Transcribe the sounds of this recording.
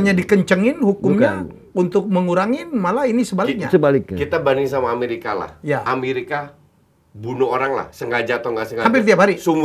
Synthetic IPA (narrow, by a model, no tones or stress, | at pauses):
ɲadikəɲt͡ʃəŋɪnhukʊmɲa | unt̪ʊk̚məŋuɾaŋɪnmalainisəbalk̚ɲa̰səbalɪk̚akit̪abaniŋsamaːmeɾika̰la̰hjaameɾika | bunuoɾaŋla̰hsəŋɡad͡ʒat̪aŋɡasəŋaamp̬ɪrt̪iap̚haɾisum